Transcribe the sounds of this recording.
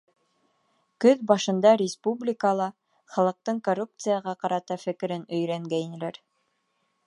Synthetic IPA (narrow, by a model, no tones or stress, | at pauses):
kɵðbɑʃɤ̆nd̪ɑɾʲɪspublʲikəlˠɑ | χɑlˠɤ̆q̚t̪ɤɴkorːup̚t̪sɨjɑʁɑqɑɾɑt̪ɑfɘ̆kɘ̆ɾɘnɵ̆jɾæŋɡæjnɘ̆læɾ